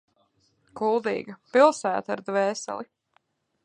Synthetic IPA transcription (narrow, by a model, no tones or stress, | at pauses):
kulˠd̪ḭːɡɐpilˠsæːt̪aɾd̪vɛːsɛ̰lˠi